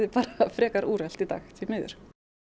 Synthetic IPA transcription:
ðɪpaːɾafɾɛːkaɾʔuːɾɛl̥t̪it̪a̰ːxt̪ʰɪlmɪːðʏ̰ɾ̥

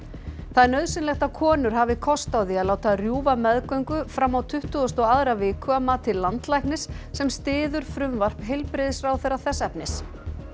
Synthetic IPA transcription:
θaðɛɾnœɥðsɪnlɛxt̪akʰɔːnʏɾ̥ɦaːvɪkʰɔst̪awðialaːwt̪arjuːvamɛðkœɥŋkʏfɾamːawt̪ʰʏht̪ʏɔst̪ɔaðɾavɪːkʰʏamat̪ʰɪlːant̪lajhknɪsː | ɛmst̪ɪːðʏɾ̥fɾʏmvar̥pɦejlpɾɪðɪsfɾawθɛjɾaθɛsːɛpnɪs

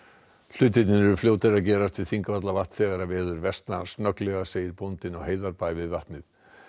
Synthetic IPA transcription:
l̥ʏːt̪ɪt̪nɪnɛɾʏfljoːwt̪ɪɾaðcɛːɾast̪vɪðθiŋkavat̪̬lavaht̪sɛːɣaɾavɛːðʏɾvɛst̪nast̪nœklɛɣaseːjɪɾpont̪ɪnɔɣheːjðaɾpaːjvɪðvaht̪nɪθ

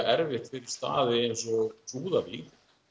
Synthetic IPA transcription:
ɛɾvɪht̪fɪɾɪɾ̥st̪a̰ːðɪejnsɔt̪ʰuːðavi

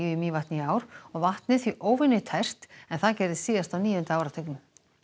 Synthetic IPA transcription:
imiːvaht̪nɪiaːwɾ̥ɔɣvaht̪nɪθviʔoːwvɪnːʏt̪ʰɛr̥t̪ɛnθaðcaːjɾðɪsiːðast̪awniːjʏnt̪aːwɾat̪ʰœknʏm

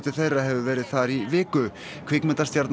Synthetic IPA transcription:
t̪ɪɾθejraɦɛvʏvɛːɾɪðθaɾivɪːkʏ | kʰv̥ɪkmɛnt̪ḁst̪jaɾt̪n

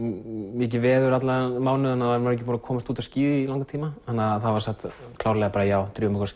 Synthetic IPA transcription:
mɛc̬ɪvɛːðʏɾat̪lamaːwnʏanːaðaɾmaɾɛc̬ːɪfɔːɾkʰɔːmast̪uːt̪asciːðɪilawŋkat̪ʰiːmahanːaðθaðvaɾ̥sɛxt̪ | kʰlaːwɾlɛɣapaːɾajaːwt̪ɾjɔːmɛkɾs

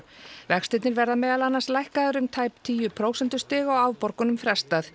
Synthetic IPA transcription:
vɛxst̪ɪjt̪nɪɾvɛɾðamɛːðalanːanslajhkaðʏɾʏmt̪ʰaːjp̚t̪ʰiːjʏpʰɾoːwsɛnt̪ʏst̪ɪːɣaɔwaːwpɔɾkʏnʏmfɾɛst̪aθ

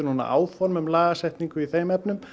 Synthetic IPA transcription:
ʏɾnuːna̰ʔa̰ːwfɔɾmʏmlaːɣasɛht̪niŋkʏiθejmɛpnʏm

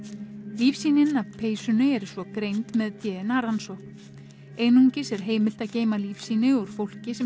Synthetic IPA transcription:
liːfsiːnɪnavpʰeːjsʏnʏɛɾsvɔkɾejnt̪mɛðt̪jɛːðɪnaɾansɔk | eːjnuɲcɪsɛɾ̥ɦeːjmɪlt̪aðceːjmaliːfsiːnɪuɾ̥fowl̥cɪsɛ

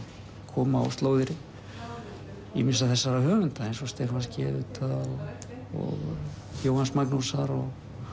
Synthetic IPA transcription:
kʰɔːmaɔ̰wst̪loːwðɪɾɪ | ḭmɪnsaðθɛsːaɾahœːvʏnt̪aejnsɔst̪ɛɾfanscɛvʏt̪a | ɔ̰ɣ | fjowhansmaknusaɾɔɣ

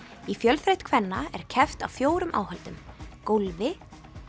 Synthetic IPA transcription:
ifjœlθɾejht̪kʰvɛnːaɛ̰ɾ̥cʰɛft̪awfjoːwɾʏmʔa̰ːwhalt̪ʏmkolvɪ

